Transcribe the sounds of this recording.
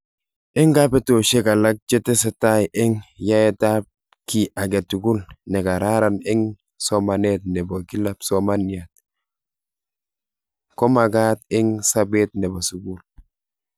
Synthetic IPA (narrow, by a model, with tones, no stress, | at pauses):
ɪ˦ŋɡa˦pe˦to˨ʃe˦ka˨la˦k̚t͡ʃe˦te˦se˨ta˦jʔɪ˦ŋja˦e˦ta˦p̚ | ki˨ʔa˨ɡe˨tu˨ɡu˦lne˨ka˨ɾa˦ɾa˨nɪ˦ŋ | so˦ma˨net̚ne˨bo˨ɡi˦lapso˦ma˦ni˨at̚ | ko˦ma˨ɡa˦tɪ˦ŋsa˦be˦t̚nɛ˨ba˨su˨ɡu˦l